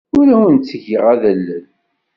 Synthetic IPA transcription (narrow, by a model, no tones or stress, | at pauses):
ʊɾæwənt͡sːəʝəʁæðəlːən